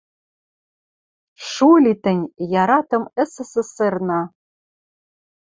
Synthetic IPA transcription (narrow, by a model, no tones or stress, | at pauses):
ʃulʲit̪ɘ̆nʲjɑɾɑt̪ɤ̆mɘ̆sɘ̆sɘ̆sernɑ